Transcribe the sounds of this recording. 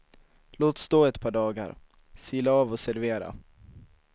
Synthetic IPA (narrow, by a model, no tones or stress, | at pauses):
loːt̪st̪oːɛt̪pʰɑːɖɑːɡa̰ɾ | siːlaɑːvɔsæɾveːɾa̰